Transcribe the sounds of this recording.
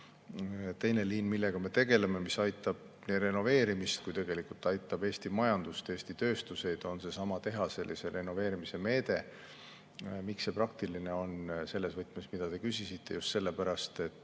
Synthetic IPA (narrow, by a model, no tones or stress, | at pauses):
t̪ejne̞liːnmilːeɡ̥ɑme̞t̪e̞ɡ̥e̞le̞me̞misɑjt̪ːˑɑb̥̚ | nere̞no̞ve̞ːɾimist̪̚kujt̪e̞ɡe̞likult̪ːɑjt̪ːˑɑbe̞ːst̪imɑjɑnd̪̥ust̪eːst̪it̪øːst̪use̞jd̪o̞nse̞sɑmɑt̪e̞ɦɑse̞lːʔise̞ɾe̞no̞ve̞ːɾimise̞me̞ːd̪̥e̞ | mikse̞prɑk̚t̪iline̞o̞nse̞lːe̞svɤt̪ːˑmesmid̪̥ɑt̪e̞kysisit̪ʰːe̞̰just̪se̞lːe̞pæɾɑst̪e̞t̪ːˑ